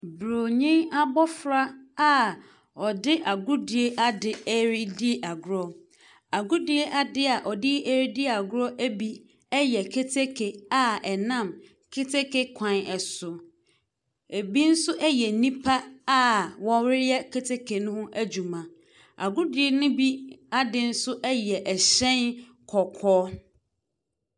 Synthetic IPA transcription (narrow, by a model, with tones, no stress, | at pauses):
bɾo˨ɲĩ˦na˦bɔ˦fɾa˦a˨ | ɔ˨dɪ˦ʔa˨ɡʊ˦dɪ˨e˦ʔa˦dɪ˨e˦ɾi˦di˦ʔa˨ɡʊ˦ɾɔ˦ | a˨ɡʊ˦dɪ˦e˦ʔa˦dɪ˦a˨ʔɔ˨dɪ˦e˦ɾi˦di˦˨a˨ɡʊ˦ɾɔ˦ʔæ˦bi˦ | ɛ˦jɛ˨kʰe˦tʰe˦kʰe˨a˨ɛ˨nã˦˨m | kʰe˦tʰe˦ke˦kʰã˨nɛ˨sʊ˨ | e˨bi˦n̩˦sʊ˦ʔɛ˦jɛ˨˦nĩ˦pʰa˦a˦wɔ̃˦wɪ˦ɾɛ˦kʰe˦tʰe˦kʰe˨nʊ̃˦hʊ̃˦ʔæ˦d͡ʑu˨mã˨ | a̰˨ɡʊ˦dɪ˦ɛ˦nʊ̃˦bi˦a˦dɪ˦n̩˦sʊ˦ʔɛ˦jɛ˨ʔɛ˨ɕɛ̃˦n | kʰɔ˨kʰɔː˦